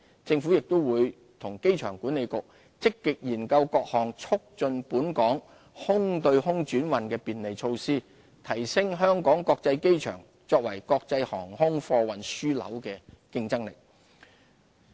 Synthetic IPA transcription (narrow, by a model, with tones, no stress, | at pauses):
t͡sɪ˧ŋfu˨˥jɪ˨k̚t̪ʊ˥wwuː˨˧j | t̪ʰʊ˨˩ŋke˥jt͡ʃʰœː˨˩ŋkuː˨˥ne˨jkʊ˨k̚ | t͡sɪ˥kːɪ˨k̚jiː˨˩nkɐ˧wkɔː˧k̚hɔː˨˩ŋt͡sʰʊ˥k̚t͡ʃɵ˧npuː˨˥nkɔː˨˥ŋ | hʊ˥ŋt̪ɵ˧ɥhʊ˥ŋt͡ʃyː˨˥nwɐ˨nkɛː˧piː˨nle˨˩jt͡ʃʰo˧wsiː˥ | t̪ʰɐ˨˩jsɪ˥ŋɦœː˥ŋkɔː˨˥ŋkɔː˧k̚t͡sɐ˧jke˥jt͡ʃʰœ̰ː˨˩ŋ | t͡sɔː˧k̚wɐ˨˩jkɔː˧k̚t͡sɐ˧jhɔ̰ː˨˩ŋhʊ˥ŋfɔː˧wɐ˨nsyː˥lɐ̰˨˥wkɛː˧kɪ˧ŋt͡sɐ˥ŋlɪ˨k̚